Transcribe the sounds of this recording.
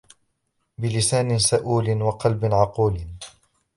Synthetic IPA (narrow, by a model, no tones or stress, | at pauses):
bɪlɪsaːnɪsaʔuːlɪnwɑqɑlbɪnʕɑquːl